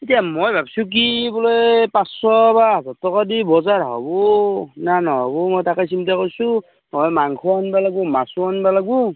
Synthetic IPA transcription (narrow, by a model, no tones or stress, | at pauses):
itijamojbʱabsuk̬ibɔlɔjpasɔbazɔtɔkadibɔzaɹɦɔ̰bɔnanɔɦɔ̰bɔmɔjtakas̬imtakoɹsu | mɔjmaŋkʰuanbalaɡbɔmasuanbalaɡu